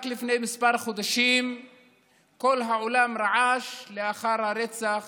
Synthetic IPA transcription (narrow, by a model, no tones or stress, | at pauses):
aklifne̞jmispaɾχod̪aʃim | ko̞lɦaʕolamɾaʕaʃleaχaɾhaɾet͡saχ